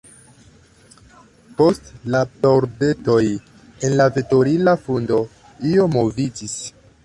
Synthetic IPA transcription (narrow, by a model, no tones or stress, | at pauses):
po̞stlapoɾbe̞to̞j | e̞nlaveto̞ɾilafundo̞ | io̞mo̞vid͡ʒis